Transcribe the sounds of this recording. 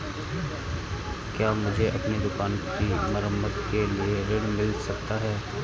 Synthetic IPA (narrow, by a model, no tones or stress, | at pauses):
kjaːmʊd͡ʒʱeʔɐpnid̪ʊkaːnkimɐɾəmːəd̪kelieɾɪɽmɪlsɐk̚t̪aɦɛː